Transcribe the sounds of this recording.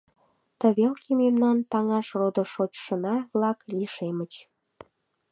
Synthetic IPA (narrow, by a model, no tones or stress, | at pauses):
t̪əβelkʰimemnɑnt̪ɑŋɑʃrod̪əʃot͡ɕʃənɑβlɑkliʃemət͡ɕ